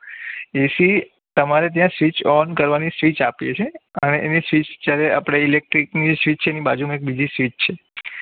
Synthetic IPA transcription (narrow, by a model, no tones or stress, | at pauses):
esi | t̪əmaɾet̪̬jãsʋit͡ʃɔnkəɾʋanisʋit͡ʃapjet͡ʃʰeəneʔenisʋit͡ʃt̪jaɾea̰pɽ̃eilek̚ʈɾiknid͡ʒesʋit͡ʃt͡ʃʰenibad͡ʒunũek̚bid͡ʒisʋit͡ʃt͡ʃʰe